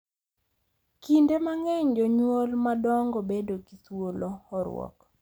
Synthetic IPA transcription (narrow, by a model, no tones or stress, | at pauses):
kindemaŋɛɲd͡ʒɔɲwolmadɔŋɡɔbedoɡiswoloɔɾw̰ɔ̰k